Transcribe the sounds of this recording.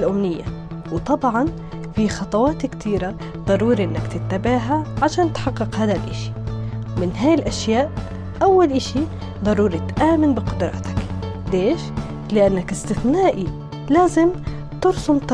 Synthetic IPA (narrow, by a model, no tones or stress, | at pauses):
lʔʊmnɪjːa̰ | wt̪ˤɑbʕɑn | fixɑt̪ˤɑwɑːt̪kt̪ʰiːɾa | d̪ˤɑɾˤuːɾiʔɪnːakt̪ɪt̪ːabaʕɦaʕaʃaːnt̪ħɑqːɨqhaːd̪alʔaʃi̥wmɪnɦaːjɪlʔaʃjaːʔ | ʔawːalʔaʃi | d̪ˤɑɾˤuːɾit̪ʔaːmɪnbɪqʊd̪ɾˤɑ̰ːt̪ḁk | d̪eːʃ | lɪʔanːakɪst̪ɪθnaːʔi | laːzɪm | t̪ʊɾsʊmt̪